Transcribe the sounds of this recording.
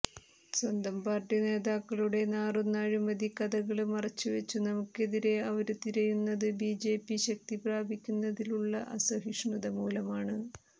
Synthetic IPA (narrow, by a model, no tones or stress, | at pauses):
swɐnd̪ɐmpaːrʈine̞ːðaːkːɐɭuɽe̞naːrunːaːɻumɐd̪ikɐðɐɣɐɭmɐrɐt͡ɕːuʋɐt͡ɕːunɐmukːe̞ðiɾe̞ɐʋɐɾut̪iɾɐjunːɐðɨbiːd͡ʑe̞ːpːiɕɐk̚t̪ibraːbʱikʲːunːɐðiluɭːɐ̰ʔɐsɐɦiʂɳuðɐmuːlɐmaːɳɨ